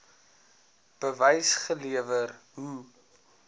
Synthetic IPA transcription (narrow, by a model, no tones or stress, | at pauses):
b̥əvəjsχəliəvərɦu